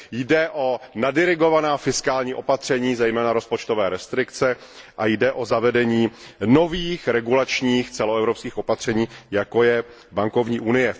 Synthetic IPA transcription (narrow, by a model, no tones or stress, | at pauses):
jdɛʔo̞nadɪɾɪɡo̞vanaːfɪskaːlɲiːʔo̞pat̪r̝̥ɛɲiːzɛjmɛːnaɾo̞spo̞t͡ʃt̪ovɛːɾɛst̪ɾɪkt͡sɛ | ʔajdɛʔozavɛdɛɲiːno̞viːxɾɛɡulat͡ʃɲiːxt͡sɛloɛvɾopskiːxʔo̞pat̪r̝̥ɛɲiːjako̞jɛ | baŋko̞vɲiːʔunɪjɛ